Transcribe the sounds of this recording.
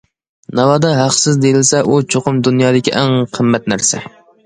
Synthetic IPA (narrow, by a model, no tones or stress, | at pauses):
nɑwɑd̪ɑɦɑqsɪzd̪elɪlsɛʔut͡ʃʰoqʰʊmd̪unjɑːd̪ɪkʲʰiʔæŋqʰəmːɛt̪̚næɾsɛ